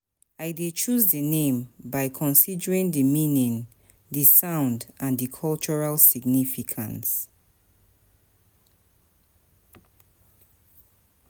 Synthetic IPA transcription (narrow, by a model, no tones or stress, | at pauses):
aɪdet͡ʃuzðənẽmbaɪkʰɔ̃nsidəɹĩŋdəmĩnĩŋ | ðəsãʊ̃ndʔãndəkʰɔlt͡ʃɔɹalsiɡnifikʰã̰ns